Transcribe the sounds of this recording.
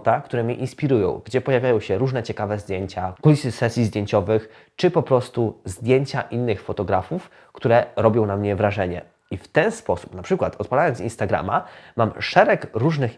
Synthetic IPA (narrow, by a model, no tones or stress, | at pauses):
t̪akt̪uɾɛmʲɲɛʔinspʲiɾujɔ̰̃w̃ɡd͡ʑɛpɔjavʲajɔ̃w̃ɕɛɾuʐnɛt͡ɕɛkavɛzd̪ʲjeɲt͡ɕakulʲisɘsɛsʲjizd̪ʲjeɲt͡ɕɔvɘx | t͡ʂɘpɔpɾɔst̪uzd̪ʲjeɲt͡ɕaʔinːɘxfɔt̪ɔɡɾafuf | kt̪uɾɛɾɔbʲjɔ̃w̃namɲɛvɾaʐɛɲɛ̰ | ift̪ɛnspɔsu̥pnapʂɘkwat̪ɔt̪̚palajɔnsinst̪aɡɾa̰mamamʂɛɾɛkɾuʐnɘx